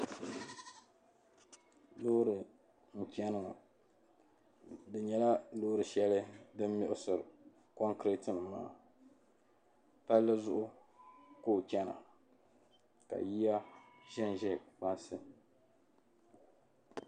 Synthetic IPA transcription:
lo˦ɾɨ˨ | ŋ̩˨t͡ʃɛ˦nɨ˦ŋa̰˨ | dɨ˨ɲɛ˨la˦lo˦ɾɨ˨ʃɛ˦lɨ˦dɨ˦mː˦ʊ˦˨ʔʊ˦sɨ˨ɾ | kɔ˦ŋkɾɛ˦tɨ˦˨nɨ˨ma̰ː˦ | pa˦lːɨ˦zʊ˦ʔʊ˦ | koː˦˨t͡ʃɛ˦na̰˨ | ka̰˨ji˦ja˦ʒɛ˦n˨ʒɛ˦k͡pa˦nsɨ˦

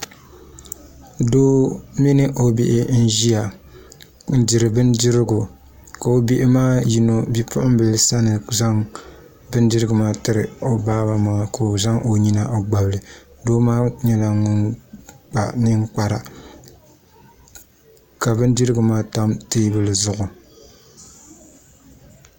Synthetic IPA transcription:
doː˦mi˦nɨ˦ʔo˦bɪ̰˨ʔɪ˦n̩˦ʒi˦a˨ | n̩˦di˨ɾɨ˨bɨ˦ndɪ˦ɾɪ˦ɡʊ˨ | ka˨o˦bi˦ʔɪ˦maː˦ji˨no˨bi˦pʰʊ˦ʔʊ˦m˦bɨ˨lsa˦nɨ˨za˦ŋ | bɨ˦n˦dɨ˦ɾɨ˦ɡɨ˨maː˦tɨ˦ɾɨ˨o˨baː˦ba˨ma˨ko˨za˦ŋʔo˨ɲi˦na˨ʔo˨ɡ͡ba˨blɨ˨ | doː˦maː˦ɲɛ˦la˨ŋʊ˦nk͡pa̰˨nɨ˦ŋk͡pa˦ɾa˨ | ka˨bɨ˦n˦dɨ˦ɾɨ˦ɡɨ˨maː˦ta˦mteː˦bɨ˨lɨ˨zʊ˦ʔʊ˨

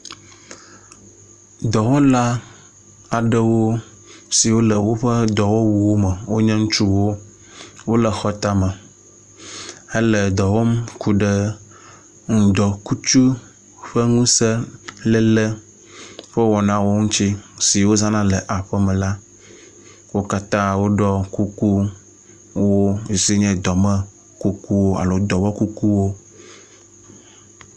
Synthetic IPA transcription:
d̪ɔ˨wɔ˦mla˦ | a˨ɖə˦wo˦ | si˨wo˦lə˨wo˦ɸə˦d̪ɔ˨wo˦wu˨wo˦mə˨wo˦ɲɛ̃˦ŋũ˦t͡ʃu˦wo˦ | wo˦lə˨xɔ˦t̪a˦mə˨ | ə˦lə˨d̪ɔ˨wɔ˦mkʰu˨ɖə˦ | ŋ̩˨d̪ɔ˨ku˦t͡ʃu˦ | ɸe˦ŋũ˦se˦lɛ˦lɛ˦ | ɸə˦wɔ˨nã˦wo˦ŋũ˦t͡ʃi˦si˨wo˦zã˦nã˦le˨ʔa˨ɸɛ˦mɛ̃˨la˦ | wo˦ka˦t̪ã˦wo˦ɖɔ˦ku˦ku˦ | wo˦˨si˦ɲɛ̃˦d̪ɔ˨mɛ˦ | ku˦ku˦wo˦a̰˨lo˨d̪ɔ˨wɔ˦ku˦ku˦wo˦

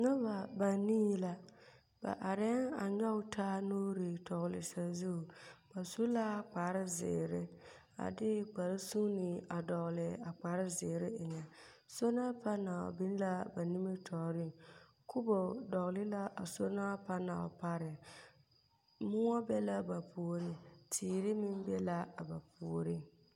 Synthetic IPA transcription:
ŋa˦ba˨ba˨niː˦la˨ | ba̰˨ʔa˨ɾɛ˦ŋa̰˨ɲɔ˦ʊ˦tʰaː˦no˦ɾi˨tɔ˨ɣlɪ̰˨sa˨zu˦˨b̥a˨su˦la˦˨k͡paː˨˦ɾɪ˦zɪ̰˨ɾɪ˦ | a̰˨dɪ˦k͡pa˨ɾɪ˦su˦nɪ˨a˨dɔ˨ɣlɪ˨a˨k͡paː˨˦ɾɪ˦zɪː˨ɾɪ˦ɪ˨ɲa˨ | so˦na˦pʰa˦na̰˨bɪ˦n˦la˦ba˨ni˦mi˦tʰɔ˨ɾɪ˦ | kʰʊ˦bo˨dɔ˨ɣlɪ˦la˦ʔa˨so˦na˦pa˦na˨ɔ̰˨pa˦ɾɪ˨ | mʊ˦ɔ˦bɛ˦la˦ba˨pʰu˨o˨ɾɪ˨tʰiː˨ɾɪ˦mɪ˦m˦bɛ˦la˦a˨ba˨pʰu˨o˨ɾi˦

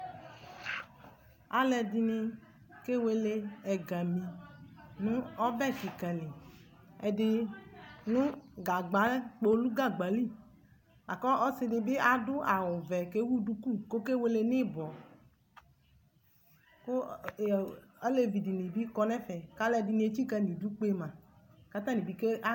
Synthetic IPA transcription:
a˨lɛ˧di˨nĩ˧ | ke˦we˨le˦ɛ˨ɡa˨mĩ˨nũ˦ɔ˦bɛ˦˨ki˨kɛ˨li˨ | e˨dɪ˦ | nũ˦ɡa˨ɡ͡ba˨˦k͡po˦lu˦ɡa˦ɡ͡ba˨li˦ | lʔa˨kɔ˦ɔ˦sɪ˧nɪ˨bɪ˦a˨dʊ˦a˨wʊ˨vɛ˨ke˦wu˦du˦ku˦˨ko˦ke˦we˦le˦nɪ˦bɔ˨ | ko˦˨ | a˦le˦vi˨di˨nĩ˨bi˦kɔ˧nɛ˦fɛ˨ka˦lɛ˦˨di˨nĩ˨˦e˨˦t͡ɕi˦ka˧nĩ˨du˦k͡pe˦mã˨ | ka˦t̪ã˦nĩ˨bi˨ke˦a˦

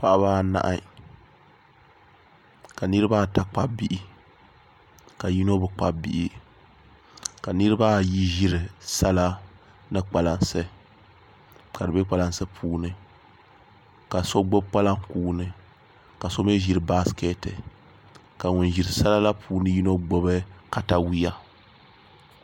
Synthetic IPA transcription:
pa˦ʔa˦baː˦na̰˨ʔa̰˦ | ka˨nɨ˦ɾɨ˦ba˦˨ta˦k͡pa˦bi˦˨ʔi˦ | ka˨ji˦no˦bɨ˨k͡pa˦bḭ˦˨ʔi˦ | ka˨nɨ˦ɾɨ˦ba˦ji˦ʒi˦ɾɨ˨sa˦la˦ | nɨ˦k͡pa˨la˨nsɨ˦ | ka˨dɨ˨be˦k͡pa˨la˦n˦sɨ˦pʰuː˨˦nɨ˦ | ka˨so˦ɡ͡bo˦bk͡pa˦la˦ŋkuː˦nɨ˦ | ka˨so˦me˦ʒi˦ɾɨ˨ba˦skɛ˦tɨ˨ | ka˨ŋu˨n˨ʒi˨ɾɨ˨sa˦la˦la˦pʰuː˨nɨ˦ji˦no˦ɡ͡bo˦bɨ˦ka˨ta˦wi˦ja˦

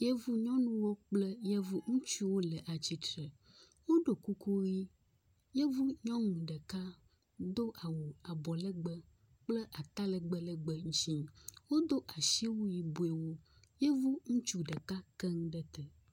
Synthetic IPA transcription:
jɛ˦vu˦ɲɔ̃˦nũ˦wɔ˦k͡plɛ˦jɛ˦vu˦ŋũ˦t͡ʃu˦wo˦lɛ˨ʔa˨t͡ɕi˦t̪ɾɛ˨ | wo˦ɖo˨ku˦ku˦ɣi˦ | jɛ˦vu˦ɲɔ̃˦ŋũ˨ɖə˨ka˦ | d̪o˦ʔa˨wo˨a˨bɔ˨lɛ˦ɡ͡bə˦ | k͡plɛ˦ʔa˨t̪a˦lə˨ɡ͡bə˦lə˦ɡ͡bə˨ŋũ˦t͡ʃi˦wo˦d̪o˦ʔa˨ʃi˦wu˦ji˨bu˨˦e˨wo˦jɛ˦vu˦ŋũ˦t͡ʃu˦ɖə˨ka˦kɛ˦ŋ̃˦ɖɛ˦t̪ɛ˨

